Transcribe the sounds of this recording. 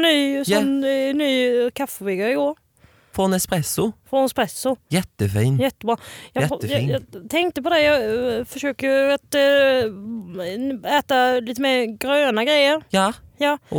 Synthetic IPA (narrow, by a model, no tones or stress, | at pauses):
nyːsɔmnːyːkʰafːəvɪɡaɪɡoːɾ | fɔnɛspɾɛsːʊfɾɔnspɾɛsʊjɛt̪ːəfiːnjɛt̪ːəbɾɑːjɑjjɑt̪ʰɛŋk̚t̪əpɔd̪ɛjɑːfœʂøːkəjəat̪ | æːt̪aliːt̪̬əmeːɾɡɾøːnaɡɾɛjːəɾjːjɑː